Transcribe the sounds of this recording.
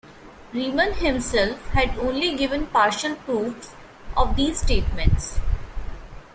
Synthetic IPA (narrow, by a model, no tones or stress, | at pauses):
ɾiːmə̃nhɪ̃msɛlfhæɖõːnliɡɪʋə̃npaːɾʃəlpɾuːfs | ʔɔːʋd̪iːzsʈeːʈmɛ̃ɳʈs